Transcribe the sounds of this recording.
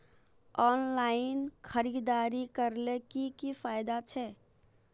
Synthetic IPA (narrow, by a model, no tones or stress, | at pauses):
ɔnlainkʰəɾid̪aɾikəɾlekikifajd̪at͡ʃʰɛ